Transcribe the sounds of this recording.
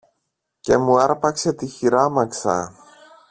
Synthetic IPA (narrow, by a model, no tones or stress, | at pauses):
ce̞muɐɾpɐkse̞t̪içiɾɐmɐksɐ̰